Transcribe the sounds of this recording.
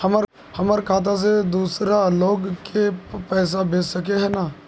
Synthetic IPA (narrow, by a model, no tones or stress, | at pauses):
hɐmɾ | hɐməɾkʰaːt̪̬ʰas̬ed̪uːsɾaloːɡkʰepɛːs̬abeːssɐkeɦɛnaː